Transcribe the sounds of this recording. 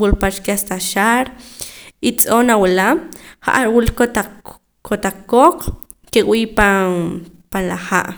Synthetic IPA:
wulpat͡ʃkast̪aʃaɾ | it͡sʼonawelamχa̰ʔaɾwulkot̪a | kot̪aq͡χkoq͡χ | keʔwiːpa | panlaχa̰ʔ

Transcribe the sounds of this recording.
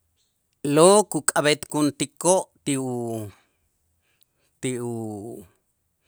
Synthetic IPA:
lokukʼaβet̪kunt̪ikoʔt̪iu | t̪iu

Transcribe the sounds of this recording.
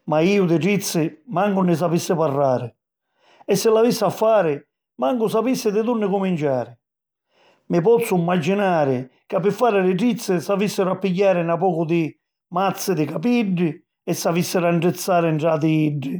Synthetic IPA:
maiːʊd̪ɪʈɾit̪sːɪmaŋɡʊnɪs̬apisːɪparːaːɾɪ | ɛsːɪlːavisːafːaːɾɪ | maŋɡʊsapisːɪd̪ɪt̪urnɪkumint͡ʃaːɾɪ | mɪpɔt̪sːʊimːad͡ʒːinaːɾɪkapːɪfːaːɾɪlɪʈɾit̪sːɪsavisːɪɾʊapːiɟːaːɾɪnapɔːkʊd̪ɪ | mat̪sːɪd̪ɪkapiɖːɪ | ɛsːavisːɪɾaɳʈɾɪt̪sːaːɾɪɳʈɾad̪ɪiɖːɪ

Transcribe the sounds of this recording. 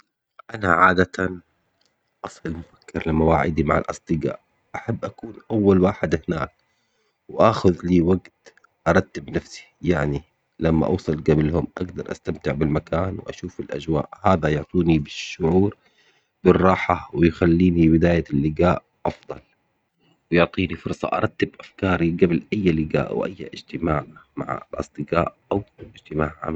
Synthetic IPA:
ʔanaʕaːd̪at̪ʰan | ʔɑsˤlɪlmʊfḁkːɪɾlɪmawaːʕɪ̰d̪ima̰ʕa̰lʔɑ̰sˤd̪ˤɨɡa̰ːʔ | ʔaħabːʔakuːnʔawːalwaːħɪd̪hɪnaːk̚ | wʔaːxʊðliːwaɡt̪ | ʔɑɾˤɑt̪ːɪbnafsi̥jaʕni | lamːa̰ʔɑːsˤɨlɡablhʊmʔa̰ɡd̪ɑɾˤʔa̰st̪amt̪ɪʕbɪlmakaːnwʔa̰ʃuːfɪlʔa̰d͡ʒwa̰ːʔhaːd̪ajʊʕt̪ˤiːnibɪʃːʊʕuːɾ | b̥ɪrˤːɑːħawɪjxalːiːnibɪd̪aːjalːɪɡaːʔ | ʔɑfd̪ˤɑl | wɪjʊʕt̪ˤiːnifʊɾˤsˤɑ̰ʔɑ̰ɾˤɑt̪ːɪbʔafkɑːɾˤiɡablʔajːlɪɡa̰ːʔa̰wʔa̰jːaʔɪd͡ʒt̪ɪmaːʕma̰ʕ̰lʔɑ̰sˤd̪ɨɡɑːʔʔawɪd͡ʒt̪ɪmaːʕʕa̰m

